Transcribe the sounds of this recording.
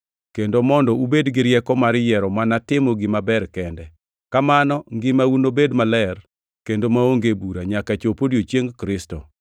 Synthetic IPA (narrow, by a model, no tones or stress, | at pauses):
kendomɔndɔubedɡɪɾjɛkɔmaɾjɛɾɔmanatɪmɔɡɪmabɛrkɛndɛ | kamanɔŋɡɪmaunobedmalɛr | kendomaoŋɡebuɾaɲakat͡ʃopodjot͡ʃjeŋkɾɪstɔ̰